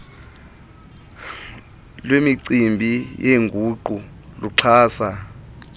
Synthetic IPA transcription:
lwemiǀimbʱijeŋɡʱuːǃu | luǀʰaːsa

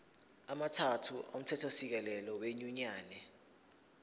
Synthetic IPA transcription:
amatʰatʰuʔom̩tʰɛtʰosik̬ɛlɛlɔweɲuɲaːnɛ

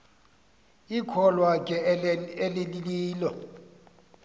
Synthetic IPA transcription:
ikʰɔlwakʼɛelɪliliːlɔ

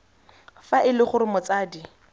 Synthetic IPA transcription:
faʔɪlɪχʊɾɪmʊt͡saːdi

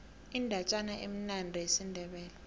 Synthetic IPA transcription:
indʱat͡ʃʼanaʔḛm̩nandʱiesindʱɛɓɛːlɛ

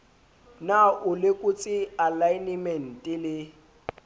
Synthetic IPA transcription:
naʔʊlɪkʼʊt͡sʼɪalajnimɛn̩tʼɪlɪ

